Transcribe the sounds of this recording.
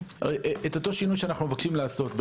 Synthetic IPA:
et̪o̞t̪o̞ʃinujʃeanaχnumevakʃimlaːso̞t̪be

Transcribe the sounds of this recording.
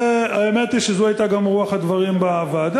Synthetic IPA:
aemet̪iʃezoajt̪aɡamʁuaχhad̪vaʁimbaaːvad̪

